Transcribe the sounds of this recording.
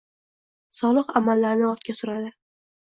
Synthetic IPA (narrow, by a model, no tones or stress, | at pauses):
sɒlˠɨqamalːaɾnɪɒt̪̚kʲasʊɾad̪ɪ